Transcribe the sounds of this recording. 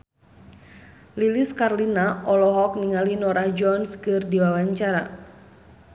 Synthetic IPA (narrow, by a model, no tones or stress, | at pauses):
liliskarlinaʔɔlɔɦɔk̚niŋalinɔɾahd͡ʒɔnskɨrdiwawaɲt͡ʃaɾa